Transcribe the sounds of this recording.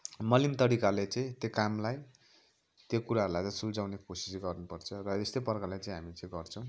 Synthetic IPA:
mʌlimt̪ʌɽikalet͡saĩt̪jokamlaj | t̪jokuɾaɦəɾulajt͡sãsuld͡zawnekosi̥sɡʌrnupʌrt͡sʰʌrʌest̪ejpʌrkalajt͡saĩɦamit͡sãĩɡʌrt͡sʰʌ̃w̃

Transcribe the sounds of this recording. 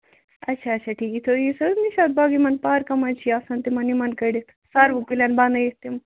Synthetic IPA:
ɐtːʃʰaɐt͡ʃʰaʈʰiːkit̪ʰojisɐniʃaːt̪̚baːɡimɐnpaːɾkɐmɐnt͡ʃʰiaːsɐnt̪imɐnimɐnkɐɖit̪ʰsaɾʋukilɐnband̪ɐjist̪im

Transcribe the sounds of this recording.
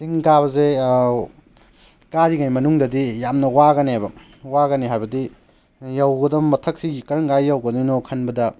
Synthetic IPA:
siŋɡaβɐze | kaɾiɡajmɐnuŋdɐdijamnɐwaɡɐnejbɐ | waɡɐneɦajbɐdi | jawɡɐdɐmːɐtʰɐk̚siɡikɐɾɐŋɡajjawɡɐninokʰɐnbɐdɐ

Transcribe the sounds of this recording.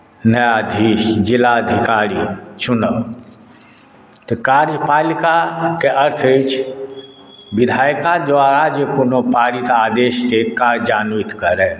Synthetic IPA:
nəjad̪ʱiːʃd͡ʒɪlaəd̪ʱikaːɾit͡ʃʊnə | t̪kaːɾd͡ʒpaːlikakeʔəɾt̪ʰet͡ʃʰ | bɪd̪ʱaːjkad̪waɾad͡ʒəpunopaːɾit̪aːd̪eːʃkekaːɾd͡ʒaːnuit̪kəɾɛ

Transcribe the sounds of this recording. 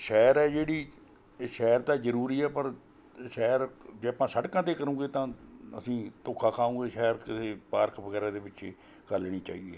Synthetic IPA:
ʃɛːɾɛːd͡ʒeːɽiː | ʃɛːɾt̪aːzəɾuːɾiːɛːpəɾ | ʃɛːɾd͡ʒeːaːpãːsəʈkãːt̪eːkəɾũːɡeːt̪ãːə̰sĩːt̪oːkʰaːkʰaːõːɡeːʃɛːɾkɪsʰeːpaːɾkʋəɡɛːɾãːd̪eːbɪt͡ʃː | ɡəlːeːñiːt͡ʃaːḭːeː

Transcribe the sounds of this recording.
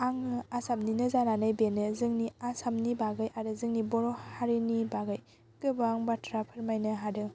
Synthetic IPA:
aŋɯasamninɯzananɯjbenɯzɯŋniasamnibaɡɯjaɾɯzɯŋnibɔɾɔhaɾinibaɡɯj | kɯbaŋbatʰɾapʰɯɾmajnɯɦadɯ

